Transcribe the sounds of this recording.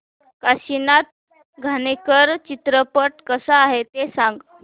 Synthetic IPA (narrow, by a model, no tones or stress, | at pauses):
kaɕinat̪̚ | ɡʱanekəɾt͡ɕit̪ɾəpəʈ̚kəsaːɦet̪esãŋɡ